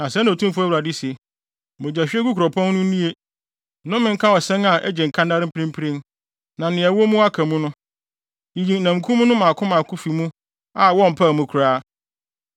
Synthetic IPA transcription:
nã˨sɛ˦ñ˨o˨tʰũ˦mfu˦æ˦wa˨di˦si˨e˨ | mʊ̃˨d͡ʑæ˨ɕᶣɛ˦ɡu˦kʰɾɔ˨pʰɔ̃˦nː˦ʊ̃˦ĩ˦e˦ | nʊ̃˦mɪ̃˨ŋ̩˦kʰã˦ɔ˨sɛ̃˦na˨ʔɛ˦d͡ʑɛ˨ŋ̩˨kʰã˦nda˦ɾɪ˦m̩˦pɾĩ˦m˦pʰi˦ɾĩ˦n | nã˨n˨nɪ̃˨ɛ˨wo˦mũ˦a˦kʰã˨mũ˦nʊ̃˦ | i˨jĩ˨n̩˨nã˨m˨kʰũ˦mũ˦nʊ̃˦mãː˨kʰʊ̃˦mã˨kʰʊ˦fi˨mũ˦ | a˨wɔ˦m̩˨pʰa˦˨mũ˨kʰu˨ɾaː˦

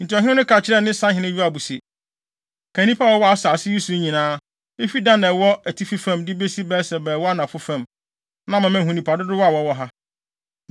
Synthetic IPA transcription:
n̩˨ti˨ɔ˨ɦɪ̃˦ɪ̃˦nʊ̃˦kʰa˨t͡ɕʰɪ˦ɾɛ˦nɪ̃˦sã˦hɪ̃˨˦nɪ̃˦ju˦a˨bu˨se˨ | kʰã˨nĩ˦pʰa˦wɔ˦wɔ˦a˨saː˨sɪ˦ju˦su˨˦ɲĩ˨nãː˦ | e˦fi˦dã˦nɛ˨wɔ˦æ˨tʰi˦fi˦fã˦˨mdɪ˦be˦si˦bɛː˦sɛ˨bɛː˨wɔ˦a˦nã˨fʊ˦fã˦˨m | nã˦mã˨mæ̃˨ɦũ˨nĩ˨pʰa˨dɪ˦dʊ˦wɔ˦a˨wɔ˦wɔ˦ɦa˦

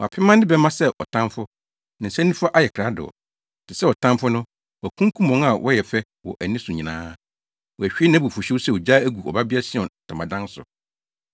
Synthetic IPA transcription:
wɔ˨a̰˨pʰɪ˦mã˦ndɪ˦bɛ˦mã˦sɛ˦ʔɔ̰˨tʰã˦mfʊ˦ | nɪ̃˨n̩˨sɛ̃˦nĩ˦fʊ˦a˦ʔa˦jɛ˨kʰɾa˨˦dʊ̰˨ɔ̰˨ | tʰɪ˨sɛ˦wɔ˨tʰã˦mfʊ˦nʊ̃˦ | wɔ˨æ˨kʰũ˦ŋ˦kʰũ˦mɔ̃˨˦ŋa˨wʔɔ̰˦jɛ˨fɛ˦ | wɔ̰˨ʔæ˨nĩ˦sʊ̃˨ɲĩ˨nãː˦ | wɔ˨æ˨ɕᶣi˦e˦nã˦bu˨fʊ˨ɕᶣɪ˦sɛ˦˨ɔ˨d͡ʑa˦æ˦ɡu˨ɔ̰˨ba˦bɪ˦a˦sɪ˦ɔ̃˨n˨tʰã˨mã˨dã˦n˦sʊ̰˨

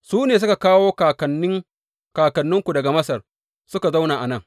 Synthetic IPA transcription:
suː˦neː˨s̬ʊ˦ka˨kaː˦woː˦ka˨kɐ˨nɪ˦ŋ | kaː˨kɐ˨nːʊ˦ŋkʷu˨dɐ˨ɡa˨mɐ˦sɐ˨r | sʊ˦ka˨za˦wnaː˨ʔa˨nɐ˦˨ŋ

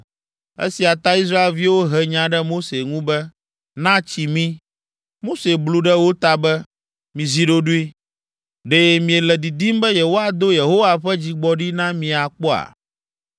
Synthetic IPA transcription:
ḛ˦si˨a˨t̪a˦i˦s̬ɾa˦e˨lvi˦wo˦ɦɛ˨ɲã˨ɖɛ˦mo˦se˨ŋũ˦bɛ˦ | nã˦t͡ɕi˨mĩ˦ | mo˦se˨blu˦ɖɛ˦wo˦t̪a˨bɛ˦ | mĩ˨zi˦ɖo˦ɖu˦i˦ | ɖe˦mĩ˨e˨lɛ˨d̪i˨d̪i˦mbɛ˦je˨wo˦a˨d̪o˦je˨ɦo˦wa˨ɸɛ˦d͡ʑi˦ɡ͡bɔ˦ɖi˦nã˦mĩ˨a˨k͡pɔ˦a̰˨

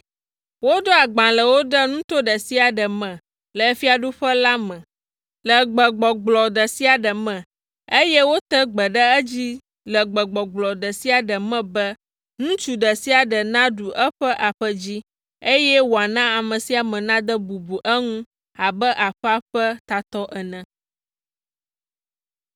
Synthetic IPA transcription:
wo˦d̪o˦a˨ɡ͡bã˨lə˨wo˦ɖə˦nũ˦t̪o˦ɖə˨si˦a˨ɖə˨mɛ̃˨ | lə˨˦fi˦a˨ɖu˦ɸə˦la˦mə̃˨ | lə˨ɡ͡bə˨ɡ͡bɔ˨ɡ͡blɔ˨d̪ə˨si˦a˨ɖə˨mə̃˨ | e˦jɛ˦wo˦t̪ə˦ɡ͡bə˨ɖə˦ə˦d͡ʑi˦ | lə˨ɡ͡bə˨ɡ͡bɔ˨ɡ͡blɔ˨d̪ə˨si˦a˨ɖə˨mɛ̃˦bə˦ | ŋũ˦t͡ʃu˨ɖə˨si˦a˨ɖə˨nã˦ɖu˨ʔə˦ɸə˦ʔa˨ɸə˦d͡ʑi˦ | e˦jɛ˦wo˨a˨nã˦a˨mə̃˨si˦a˨mɛ̃˨nã˦d̪ə˦bu˨bu˨ʔə˦ŋũ˦ | a˨bə˦ʔa˨ɸa˦ɸə˦t̪a˨t̪ɔ˦ʔɛ˨nɛ̃˨

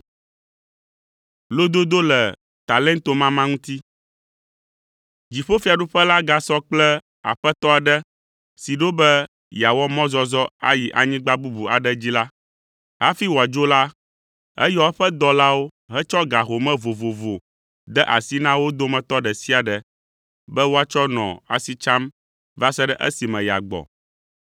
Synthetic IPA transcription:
lo˦d̪o˦d̪o˦lɛ˨ | t̪a˨lɛ̃˦nt̪o˦mã˦mã˦ŋũ˦t̪i˦ | d͡ʑi˨ɸo˦fi˨a˨ɖu˦ɸə˦la˦ɡa˨sɔ˦k͡plɛ˦ | a̰˨ɸə˦t̪ɔ˦a˨ɖə˦ | si˨ɖo˦bɛ˦ | ja˨wɔ˦mɔ̃˦zɔ˦zɔ˦a̰˦ji˨ʔa˨ɲĩ˦ɡ͡ba˦bu˦bu˨a̰˨ɖə˦d͡ʑi˦la˦ | ɦa˦fi˦wo˨a˨d͡ʒo˦la˦ | ɛ̰˦jɔ˦ɸɛ˦d̪ɔ˦la˦wo˦ | ɦɛ˦t͡ʃɔ˦ɡa˨ɦo˨mɛ̃˦vo˨vo˨vo˨ | d̪ɛ˦ʔa˨si˦nã˦wo˦d̪o˦mɛ̃˨t̪ɔ˦ɖɛ˨si˦a˨ɖɛ˨ | bɛ˦wo˦a˦t͡ʃɔ˦nɔ̰̃˨a̰˨si˨t͡ʃa˦m | va˦sɛ˦ɖɛ˦ʔɛ̰˦si˨mɛ̃˨ja̰˨ɡ͡bɔ̰˨

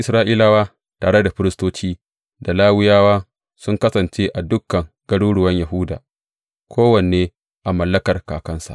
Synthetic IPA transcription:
ʔɪ˦sɾaː˦ʔiː˦la˦waː˦ | taː˨ɽe˦da˨ɸɪ˦ɾɪ˦stoː˦t͡ʃiː˦ | da˨laː˦wɪ˦jaː˦waː˦ | sʊ˦ŋkɐ˦sɐ˨nt͡ʃeː˦ʔa˨dʊ˦kːɐ˨ŋ | ɡ̥ɐ˦ɽuː˦ɽʊ˨wɐ˦ɲjɐ˨ɦʊː˦da̰ː˨ | kʷʰoː˦wɐ˨n˨eː˦ | ʔa˨mɐ˨lːɐ˦kɐ˨rkaː˨kɐ˦nsa̰˨

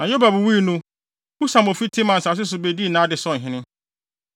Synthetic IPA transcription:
nã˨jo˦ba˨bu˨wi˦˨nũ˦ | u˦sã˨mo˨fi˦tʰɪ˦mã˨n̩˨sa˨s̬ɪ˦s̬ʊ˨be˦di˦˨nãː˨˦dɪ˨sɔ˦˨ɦɪ̃˦nɪ̃˦

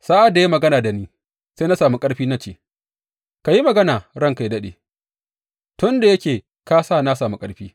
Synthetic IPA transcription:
sa˦ʔa˨dːa˨ji˦mɐ˨ɡɐ˦naː˨da˨niː˦ | se˦na˦saː˨mu˦kʼɐ˦ɽɸiː˦na˦t͡ʃeː˨ | ka˨ji˦mɐ˨ɡɐ˦naː˨ɽɐ˦ŋka˨jdɐ˦ɗḛː˨ | tʊ˦nda˨jɐ˦kʲeː˨ | ka˦saː˦na˦saː˨mu˦kʼɐ˦ɽɸiː˦

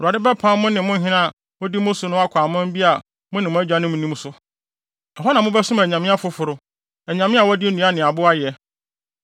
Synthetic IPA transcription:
ɔ˨ɾu˨a˨dɪ˦bɛ˦pʰã˦mʊ̃˦nɪ̃˨mʊ̃˦ɦɪ̃˦nã˦a˨ | mʊ̃˦di˦mʊ̃˦sʊ˨nʊ̃˦a˦kʷʰaː˨mã˦m˦bi˦a˨ | mʊ̃˦nɪ̃˨mʊ̃˦æ˦d͡ʑᶣa˨˦nɪ̃˦mũ˨nũ˦m˦sʊ˦ | ɔ˨ɦɔ˦nã˨mʊ̃˦bɛ˦sʊ̃˦mæ˨ɲã˨mɪ̃˦a˦fʊ˦fʊ˨ɾʊ˨ | ɛ˨ɲã˨mɪ̃˦a˨wɔ˦dɪ˦e˦nũ˨a˦nɪ̃˨a˨bʊ˦a˦jɛ˨

